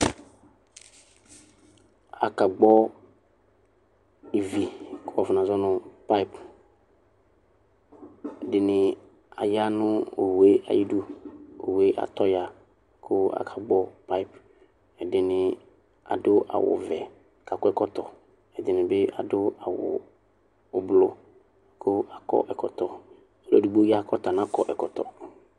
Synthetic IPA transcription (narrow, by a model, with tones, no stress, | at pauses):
a˨ka˨ɡ͡bɔ˦ | i˨vi˨kɔ˨vnã˨zɔ˦nʊ̃˦pa˦p | ɛ˨dɪ˨nɪ˨ | a˨ja˦nʊ˦o˨we˦a̰˨ji˦du˦o˨we˦ʔa̰˨t̪ɔ˦ja˨ | kʰʊ˦a̰˨kʰa˨ɡ͡bɔ˦pa˦i˦p | ɛ˨dɪ˨nɪ̃˨ | a̰˨dʊ˦ʔa̰˨wʊ̰˨vɛ˨ | ka˨kʊ˦ɛ˦kɔ˦t̪ɔ˨ | ɛ˨d̪ɪ˨nɪ̃˨bɪ˦a̰˨dʊ˦a˨wʊ̰˨ | ʊ˨blʊ˨ | kʰʊ˦a˨kɔ̰˦ʔɛ˨kɔ˨t̪ɔ˨ | so˦la̰˨du˨ɡ͡bo˦ja˦˨kʰɔ˦t̪a˨n˨ã˦kɔ˨ʔɛ˨kɔ˨t̪ɔ̰˨